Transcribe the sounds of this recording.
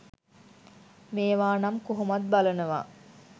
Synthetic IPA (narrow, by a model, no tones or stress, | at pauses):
meːʋaːnamkoɦumat̪̚balənəʋa̰